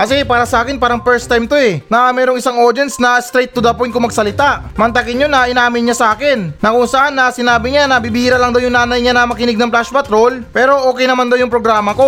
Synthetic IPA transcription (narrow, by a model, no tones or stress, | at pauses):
kɐsɛpaːɾɐsɐʔaːkɪnpaːɾɐŋpɛɹst̪ajmt̪oɛnɐmɛːɾoŋʔɪsaŋoɾd̪ɛnsnɐst̪ɾɛjt̪ːʊd̪ɐpojt̪kʊŋmɐɡ̚sɐlɪt̪aʔ | mɐnt̪ɐkɪnjonːɐʔɪnaːmɪnɲasɐʔaːkɪnːɐkʊŋsɐʔanːɐsɪnaːbɪɲanɐbibiːɾɐlɐŋd̪ɐwjʊŋnaːnɐjɲanɐmɐkɪnɪɡ̚nɐŋplaʃpɐt̪ɾo̞lpɛːɾo̞ʔo̞ːkɛjnɐmand̪ɐwjʊŋpɾo̞ɡɾaːmɐko̞